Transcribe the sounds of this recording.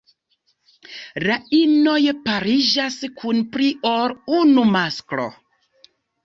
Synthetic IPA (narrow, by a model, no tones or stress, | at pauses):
lainojpaɾid͡ʒaskʰunpɾiʔoɾunumaskɾo̰